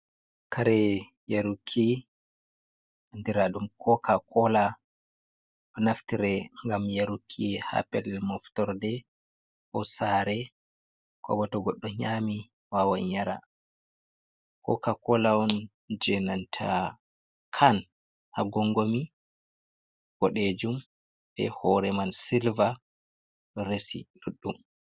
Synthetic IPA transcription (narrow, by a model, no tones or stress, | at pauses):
kʰaɾɛ | jaɾukʰːi | ndiɾaɗumkʰɔkakʰɔla | ʔɔnaftiɾɛŋɡamjaɾukʰːiha̰pɛlɛmɔftɔɾdɛ | ʔɔsaɾɛ | kɔ̰bɔtɔɡɔɗːɔɲami | wawaɲaɾa̰ | kɔ̰kakɔlaɔn | d͡ʒɛnantʰa̰ | kʰan | haɡɔŋɡomi | ɡɔɗed͡ʒum | b̥ɛ̰hɔɾɛmansilva | ɾesḭnuɗːum